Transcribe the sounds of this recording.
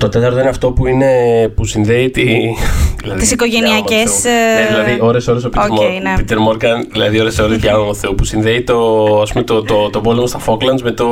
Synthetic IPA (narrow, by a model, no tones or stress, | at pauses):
t̪o̞t̪e̞t̪ɐɾt̪o̞ineɐft̪o̞puine̞pusinðe̞it̪iðilɐ̰ðit̪isikoʝeniɐesneðilɐðiʔo̞ɾe̞so̞ɾes̬opit̪oɾonpit̪eɾmoɾɡɐnðilɐðio̞ɾe̞so̞ɾezʝɐnot̪uθe̞opusinðeit̪o̞ɐspumet̪ot̪ot̪o̞bo̞lemost̪ɐfo̞klɐnzmet̪o